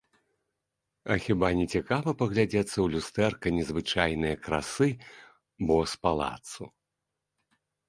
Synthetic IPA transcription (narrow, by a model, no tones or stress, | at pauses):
ɐxʲibanʲɛt͡sʲɛkavɐpɐɣlʲad͡zʲɛt̪sːɐwlʲust̪ɛrkɐnʲɛzvɨt͡ʂajnɨjɐkɾa̰sɨ | bɔspalˠa̰t̪sṵ